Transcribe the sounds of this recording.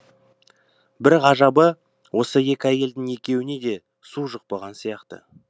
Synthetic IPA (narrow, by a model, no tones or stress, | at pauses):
bɪɾʁɑʒɑbə | wʔo̞səje̞kʲɪæje̞ld̪ɪŋe̞kʲe̞wɪne̞d̪e̞ | suʒəq̚pɑʁɑnsijɑqt̪ə̰